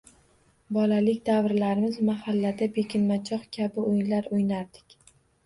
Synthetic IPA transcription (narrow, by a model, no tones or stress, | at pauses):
bɒlalɪkʲd̪avɾlaɾɪmɪzmahalːad̪abekʲɪnmat͡ʃʰɒχkʲʰabɪojɪnlaɾʊjnaɾd̪ɪ̥kʲ